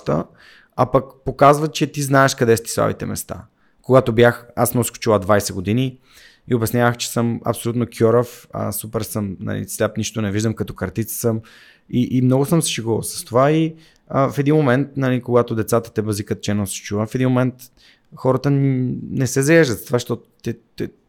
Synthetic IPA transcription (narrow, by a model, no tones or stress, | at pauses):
t̪ə̰ | ɐpəkpokazvət͡ʃɛt̪iznaɛʃkɐd̪ɛst̪i̥sa̰vḭt̪ɛ̰mɛ̰st̪a̰ | koɡat̪obʲjaxasmɔsko̥t͡ʃilˠad̪vajsɛɡod̪ini | iobʲɛsnʲavəxt͡ʃɛ̥səmɐ̰psolut̪nokʰʲɔɾəfə̰supɛɾsəmnɐ̰lḭslʲapniʃt̪onɛviʒd̪əmkɐt̪ɔkɐɾt̪it̪sə̥səm | iʔːmnɔɡʊsəmsɛ̥ʃɛɡosə̥st̪ovai | əfɛd̪inmomɛnt̪̚nɐlikoɡat̪od̪ɛt̪sat̪ə̥t̪ɛbɐzikət̪̚t͡ʃɛnosɛ̥t͡ʃuvəfɛd̪inmomɛnt̪ | xɔɾət̪ənnɛsɛzɐjɛʒd̪ət̪t̪ovaʃt̪ɔt̪ot̪ɛt̪ɛ